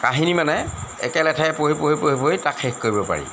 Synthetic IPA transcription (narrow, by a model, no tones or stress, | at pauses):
kaɦinimanɛɛ̰kɛlɛtʰapoɦipoɦipoɦipoitakʰxekkoɹibɔpa̰ɹḭ